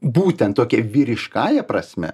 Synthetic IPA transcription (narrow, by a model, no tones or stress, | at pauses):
buːt̪ʲɛnt̪t̪oːkʲɛʋʲiːɾʲɪʃkɑːjɛpɾɐsʲmʲɛ̰